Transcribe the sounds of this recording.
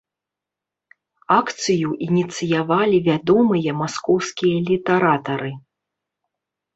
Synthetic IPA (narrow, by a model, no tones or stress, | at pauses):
akt̪sɨjuʔinʲit̪sɨjavalʲivʲad̪ɔmɨjɐmaskɔwskʲijɐlʲit̪ɛɾat̪ɐɾɨ